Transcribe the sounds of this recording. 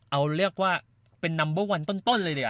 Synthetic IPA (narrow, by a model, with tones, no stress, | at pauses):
ʔa˧wɾi˥˩ək̚waː˥˩ | pe˧nːa˧mbɯ˦˥˩wa˧nt̪o˥˩nt̪o˥˩nlɤː˧dɯ˧˩